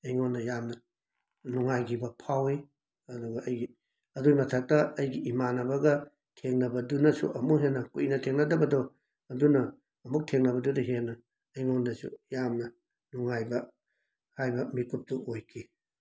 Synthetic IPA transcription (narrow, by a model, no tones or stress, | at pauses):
ɐjŋonːɐjamnɐ | nuŋajɡibɐpʰawi | ɐduɡɐʔɐjɡi | ɐduɡimɐtʰɐk̚tɐːjɡiimanɐbɐɡɐ | tʰeŋnɐbɐdunɐsṵʔɐmukɦenːɐkuinɐtʰeŋnɐdɐbɐdɔ | ɐdunɐː | muk̚tʰeŋnɐbɐdudɐɦenːɐ | ɐjŋondɐsṵjamnɐ | nuŋajbɐ | hajbɐmikup̚tuʔojkʰi